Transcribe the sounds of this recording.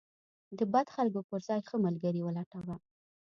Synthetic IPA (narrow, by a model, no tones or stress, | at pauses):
d̪əbad̪xalkopəɾzɑjxəməlɡaɾiwəlɑʈawa